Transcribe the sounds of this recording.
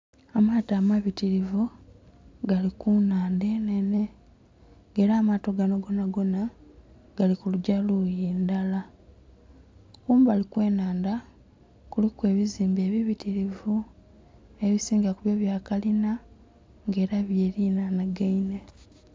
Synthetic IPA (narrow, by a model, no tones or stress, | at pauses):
amaːtaːmaβitiɾivu | ɡalikunaːnde̞ne̞ne̞ | ŋɡe̞ːɾaːmaːto̞ɡano̞ɡo̞naɡo̞na | ɡ̥alikuluɟalujeːndala | kuːmbalikwe̞ːnaːnda | kulikwe̞ːβiziːmbe̞ːβiβitiɾivu | e̞βisiːŋɡakuβjo̞βjaːkalina | ŋɡe̞ːɾaβjeːɾiːnanaɡaine